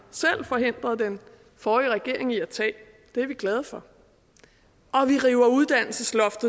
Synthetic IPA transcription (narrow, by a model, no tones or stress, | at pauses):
sel̰fɒ̽ɦe̝n̰d̥ʁɐð̩ˠd̥en | fɒːiʁɛɡ̥e̝ɐ̰e̝ŋiæt͡sʰɛ̰ː | d̥e̝æɐʋiɡ̥lɛð̞ˠəfɒ̽ | ʔɒ̽ʋiʁiːʊɐuð̞ˠd̥æn̰l̩səslɒ̽fd̥ð̩ˠ